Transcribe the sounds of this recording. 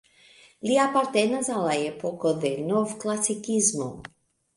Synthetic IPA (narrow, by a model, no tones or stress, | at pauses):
liapaɾt̪ɛnazalajɛpɔkɔðɛnɔvklˠasikizmṵ